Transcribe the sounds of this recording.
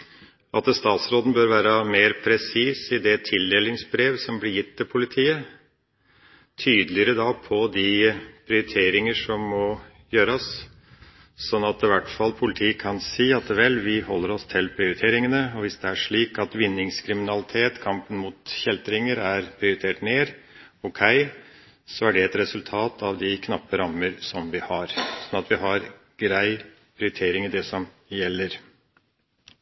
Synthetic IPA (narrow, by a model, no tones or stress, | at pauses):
ʔɑt̪əst̪ɑːt̪sɾoːd̪n̩bøːɾʋæːɾəmeːɾpʰɾɛsiːsɪd̪ɛt̪ʰɪld̪eːlɪŋsbɾeːʋsɔmblɪɾjɪt̪ːɪlpʰʊlɪt̪ʰiːə | t̪ʰyːd̪lɪəɾəd̪ɑpʰɔd̪ɪpʰɾɪʊɾɪt̪ʰeːɾɪŋəʂɔmːɔ | jøːɾəs | sɔnːɑt̪ɪʋæʈfɑlːpʰʊlɪt̪ʰiːkʰɑnsiːɑt̪ːəʋɛlːʋɪhɔlːəɾɔst̪ʰɪlpʰɾɪʊɾɪt̪ʰeːɾɪŋənəɔʋɪsd̪ɛæʂɭiːkɑt̪ʋɪnːɪŋskʰɾɪmɪnɑlɪt̪ʰeːt̪kʰɑmpənmuːt̪çɛlt̪ɾɪŋəɾæɾpʰɾɪʊɾɪt̪ʰeːʈneːɾ | ɔkʰæɪ | sɔæɖɛɛt̪ɾɛsʉlt̪ʰɑːt̪ʰɑʋd̪ɪkʰnɑpːəɾɑmːəɾsɔmʋɪhɑɾsɔnɑt̪ʋɪɦɑɾ | ɡɾæɪ | pʰɾɪʊɾɪt̪ʰeːɾɪŋɪd̪ɛsɔm | jɛlːəɾ